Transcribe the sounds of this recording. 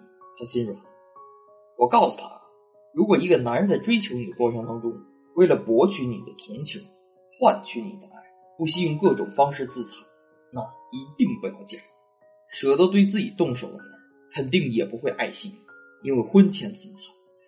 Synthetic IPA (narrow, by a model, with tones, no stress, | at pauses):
t̪ʰa˥ɕi˥nɻʊ̰˨˩˦n | wɔ˨˩kɑ˥˩ʊsu̥˨˩t̪ʰa̰˥ | ɻu˧˥kwɔ˨˩i˧˥ɡə˥˧na˧˥n˧t͡sa˥˩ɪʈ͡ʂwe˥ɪt͡ɕʰjo˧˥ni˨˩d̪ə˦kwɔ˥˩ʈ͡ʂʰɤ˧˥ŋt̪ɑ˥ŋʈ͡ʂʊ˥ŋ | we˥˩ɪlə˩pwɔ˧˥t͡ɕʰy˧˥nḭ˨˩d̪ə˦t̪ʰʊ˧˥ŋt͡ɕʰi˧˥˦ŋ | xwa˥˩nt͡ɕʰy˧˥nḭ˨˩d̪ə˦ʔa˥˩ɪ | pu˥˩ɕi˥i˥˧ŋkɤ˥˩ʈ͡ʂʊ̰˨˩ŋfɑ˥ŋʂɻ̩˥˧t͡sɹ̩˥˩t͡sʰɑ˨˩˦ʊ | na˥˩i˧˥t̪i˥˩ŋpu˧˥jɑ˥˧ʊt͡ɕjɛ̰˥˩ | ʂɤ˧˥t̪ə˥t̪we˥˧ɪt͡sɹ̩˥˩t͡ɕḭ˨˩t̪ʊ˥˩ŋʂo˨˩ʊd̪ə˦na˧˥ | kʰə˨˩nt̪i˥˩ŋjɛ˨˩pu˧˥xwe˥˧ɪʔa˥˧ɪɕi˥˩˨ | i˥nwe˥˧ɪxwə˥nt͡ɕʰjɛ˧˥n˧t͡sɹ̩˥˩t͡sʰɑ̥˨˩˦